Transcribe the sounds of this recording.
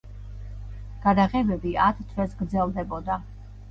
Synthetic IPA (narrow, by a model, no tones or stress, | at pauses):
ɡ̥ad̪aʁɛbɛbiat̪ʰt̪ʰvɛsɡɾd̪zɛlˠd̪ɛbɔd̪a